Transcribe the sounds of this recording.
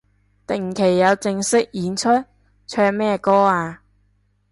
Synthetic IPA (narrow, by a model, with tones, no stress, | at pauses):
t̪ɪ˨˩ŋkʰe˨˩jːɐ˨˧wt͡sɪ˧ŋsɪ˥k̚jiː˨˥nt͡ʃʰɵ˥t̚ | t͡ʃʰœː˧k̚mɛː˥kɔː˥aː˧